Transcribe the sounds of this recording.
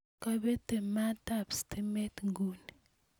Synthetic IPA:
ka˦be˦te˨ma˦ta˦˨psti˦me˦tŋɡu˨ni˨

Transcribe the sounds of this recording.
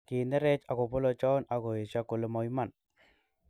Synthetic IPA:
ki˨ndɛ˦ɾɛ˦t͡ʃa˨ko˨po˦lo˧t͡ʃɔ˦na˨ko˨e˨t͡ʃa˦ko˨le˨˦mɔ˨i˦ma˦˨n

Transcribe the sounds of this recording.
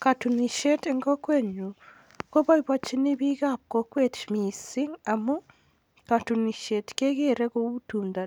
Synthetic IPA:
ka˨tu˨ni˨ʃe˦te˨ŋɡo˦kwe˦ɲu˨ | ko˦βa˦iβwa˨t͡ʃi˦ni˦βi˦ɣa˦p̚ko˦kwe˦tmi˨si˦ŋa˨mu˦ | ka˨tu˨ni˨ʃe˨tke˦ɣe˦ɾe˦ɣo˦βu˦tuːnda˨

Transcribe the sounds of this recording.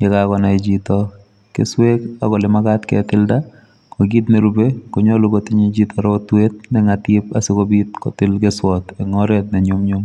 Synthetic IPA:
ɲɛ˦kakɔ˨na˨e˨d͡ʒi˦t̪ɔ˦ | kḛ˨swe˦ka̰˨ɡɔ˨lɪ˨ma˦ɡa˦tkɛ̰˨tɪ˦lda˦ | ko˨ɡi˦t̪ne˦ɾu˨be˦ko˨ɲo˦lʊ˦ɡo˨tɪ˦ɲi˦d͡ʒi˦t̪ʰɔ˨ɾɔ˦o˦twe˦t̪̚nɛ˦ŋa˨tɪ˦p̚a˨sɪ˦ko˦bi˦t̪̚kɔ̰˨tɪ˦lɡe˦swɔ˨t̪ɛ˨ŋɔ˦ɾɛ˦t̪̚nɛ˨ɲʊ˦mɲʊ˦m

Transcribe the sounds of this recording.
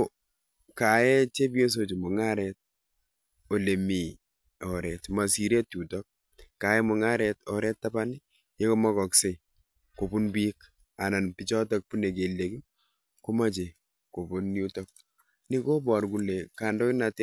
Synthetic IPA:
ka˨jɛ˦t͡ʃe˦p̬jo˦s̬o˨t͡ʃo˨mo˨ŋa˦ɾɛ˨t̚ | o˨le˨mi˨ | ɔ˨ɾɛ˨tma˨si˨ɾe˦tu˨tɔ˦k̚ | ka˨jɛ˦mʊ˨ŋa˦ɾɛ˨tɔ̰˨ɾɛ˦tːa˦ba˦ni˦ | je˦ko˦mɔ˦kɔ˨kse˨ | ko˨bu˦nbi˦k | a˨na˨npi˦t͡ʃɔ˦tɔ˦k̚pu˦ne˨k̬e˨lːe˨ki˦ | ko˦ma˦t͡ʃe˨ | ko˨bu˦nːu˦tɔ˦k̚ | ni˦ko˦bɔ˨ɾku˨le˨ka˨ndɔ˦ki˦na˨te˦

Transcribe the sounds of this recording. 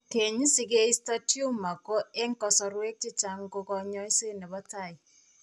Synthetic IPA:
ke˨ɲi˦sɪ˨ke˦i˦sta˦tju˦ma˨ko˦e˦ŋ˦kɔ˨sɔ˨ɾwe˦k̚ti˦t͡ʃa˨ŋɡo˦kɔ˨ɲɔ˦i˦se˦nɛ˨βa˦ta˨i˨

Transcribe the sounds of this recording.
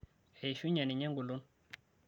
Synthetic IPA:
e˨jʃu˦ɲa˨ni˨ɲa˦ŋɡu˨lu˦n

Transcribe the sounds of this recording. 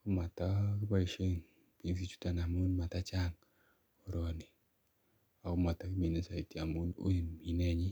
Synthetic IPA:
kʊ˦ma˨ta˦ki˦ba˦i˨ʃe˦ŋ | pi˦nsi˦t͡ʃu̥˦ta˦˨na˨mu˦nma˨ta˦t͡ʃa˦ŋ | o˨ɾɔ˨ni˨ | a˨kʊ˦ma˨ta˦ki˦mi˨ne˦sa˨i˨ti˦a˨mu˦no̰˦i˨mi˨nɛ˦ɲi˦

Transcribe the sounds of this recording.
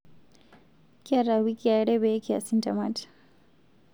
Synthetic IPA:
ka˦ɾa˨wi˦ki˦a˨ɽɛ˦bɛ˨˦ki˦a̰˨sintamat

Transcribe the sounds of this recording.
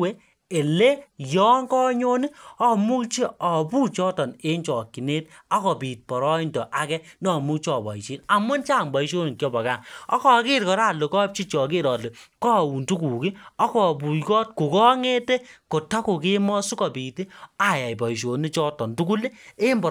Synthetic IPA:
we˦ | e˨le˦jɔ˦ŋkɔ˦ɲo˦ni˦ɔ˦mu˦t͡ʃi˦ɔ˨buː˦t͡ʃɔ˦tɔ˨ne˦nt͡ʃɔ˨kːi˨ne˦t | ɔ˦kɔ˨pi˨t̚pɔ˨ɾɔ˦i˦ndɔ˨ʔa˨kɛ˦nɔ˨mu˦t͡ʃɔ˨bɔ̰˨i˨ʃiː˦na˨mʊ˦nt͡ʃa˦˨mbɔ˨i˦ʃo˦ni˨kjɔ˦bɔ˨ka˦˨ŋɔ˦kɔ˦˨ke˦ɾkɔ˨ɾa˦˨lo˨kɔ˦p̚t͡ʃi˦t͡ʃɔ˨ke˦ɾɔ˨le˨kɔ˦˨u˨ntu˦kuː˨ki˦ɔ˦kɔ˨bu˨kɔ˦t̚ku˨kɔ˦ŋe˦te˦ko˨ta˦ku˨ke˦mɔ˦su˦kɔ˨piː˨ti˦a˨ja˨i˨bɔ˨ʃ̬o˨ni˦t͡ʃɔ˦tɔ˨ntu˦ku˦le˦e˦mbɔ˨

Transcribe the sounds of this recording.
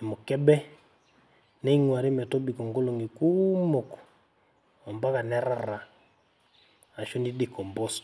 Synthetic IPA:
ɛ˨mʊ˨kɛ˦bɛ˦ | nɛ˦i˦ŋwa˨ɾe˦mɛ˨tɔ˦bi˨kɔ˨ŋɡo˦lɔ˨ŋɡi˨kumo˨kɔ̥ | a˨mba˦ka˨nɛ˦ɾa˦ɾa˨ | a˨ʃɔ˦ni˦di˨kɔ˨mbɔ˦st

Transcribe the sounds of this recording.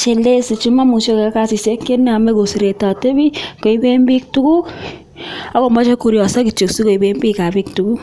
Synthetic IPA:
t͡ʃe˨le˦si˨t͡ʃu˦ma˦mu˨ʃo˦kɛ˨˦ka˦˨si˨se˦ke˦n˦a˨mɛ˦ko˨si˨ɾe˨ta˨te˦bi˦ko˨i˦be˦mbi˦k̚tu˦ku˦ | a˦ko˨mbɔ˦t͡ʃe˦ku˨ɾjɔ˨sɔ˦ki˨t͡ʃo˨ksi˦ko˨i˨be˦mbi˦ka˨bi˦k̚tu˨ku˦

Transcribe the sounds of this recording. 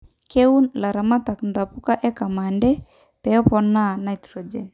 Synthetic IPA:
ke˦unla˨ɾa˨ma˦t̪a˨knd̪a˨puka˦ʔɛ˦ka˨ma˨ndɛ˦ | pɛɔpɔnana˨jt̪ɾɔd͡ʒɛ̰n

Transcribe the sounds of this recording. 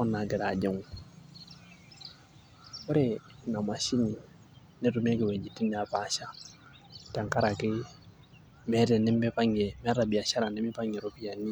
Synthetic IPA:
ɔ˦na˨ɡɪ˨ɾa˨d͡ʒe˦ŋ˨ | ʊ˦ɾɛ˦ | na˨ma˨ʃi˦ni˨ | nɛ˦tu˨m˦e˦kɪ˨we˨d͡ʒi˨ti˦n˦a˨pa˨˦ʃa˦ | ta˨ŋka˦ɾa˨kɪ˦ | mɛ˦ɾɛ˨nɛ˦mbɛ˦pa˦ŋɛ˨mɛ˦ɾa˨bi˨a˨ʃa˦ɾa˨nɛ˦mi˦pa˦ɲɛ˨ɾo˨pi˦ja˨ni˦

